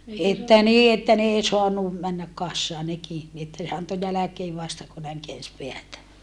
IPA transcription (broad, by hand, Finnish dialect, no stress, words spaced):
etːæ niː etːæ n ei soɑnu mænːæk kɑsːɑː neki ni etːæ ne ɑnto jælækeː ʋɑstɑ ku næiŋ keæns peætæ